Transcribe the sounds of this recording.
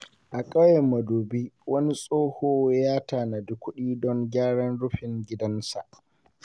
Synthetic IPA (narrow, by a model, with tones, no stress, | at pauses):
ʔa˨kʼɐ˦jɛ˨mːa˨doː˨bi˦wɐ˦ni˦sʼoː˦hoː˦jaː˦taː˨na˨dʊ˦kʷːʊ˦ɗiː˦dɔ˦ŋɡʲaː˦ɽɐ˦nɽʊ˦ɸɪ˨ŋɡʲɪ˦dɐ˦nsa̰˨ʔ